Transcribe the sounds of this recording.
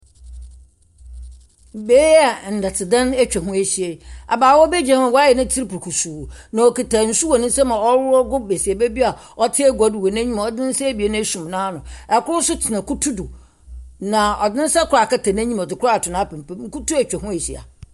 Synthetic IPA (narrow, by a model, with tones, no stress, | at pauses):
be˦a˨n̩˨da˨tʰɪ˨dã˦nɛ˦t͡ɕᶣɛ˨ɦʊ̃˦e˨ɕi˨e˨a̰˨baː˨wɔ˦bɛ˦d͡ʑã˨˦ã˨wɔ˦a˦jɛ˨nã˦tʰi˦ɾpʰu˨ɾkʰu˨su˨nã˨o˨ki˨ta˨n̩˨su˦wɔ˨nɪ̃˦sɛ˦mã˨ɔ˦wʊ˦ɾɔ˦ɡʊ˦be˨si˨e˨be˦bi˦a˨ | ɔ˦tʰɪ˦ɛ˦ɡʷa˨dɪ˨wɔ˨nã˦ɲĩ˦ma˨ɔ˨dɪ̃˦n̩˦sɛ˦bi˨e˨˦nʊ̃˦e˦sũ˨m˨nã˦nʊ̃˨ɛ˨kʊ˦ɾʊ˦sʊ˦tʰɪ˨nã˨ku˦tʰu˦dʊ˨ | nã˨ɔ˨dɪ̃˦n̩˦sɛ˦kʰʊ˨ɾa˨ka˦tʰa˨næ̃˦ɲĩ˦m˨ɔ˨dɪ˨kʰʊ˦ɾa˦˨tʰʊ˨nã˨˦pʰɛ̃˨m˨pɛ˦ŋ̩˦ku˦tu˦ɛ˨t͡ɕᶣɛ˨ɦʊ̃˦e˨ɕi˨a̰˨